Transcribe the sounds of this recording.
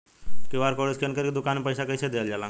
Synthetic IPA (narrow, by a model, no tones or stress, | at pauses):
kiʋaːɾkoɽiskʰənkəɾkid̪ʊkaːnːepəjsakəjsed̪eld͡ʒaːlã̰ː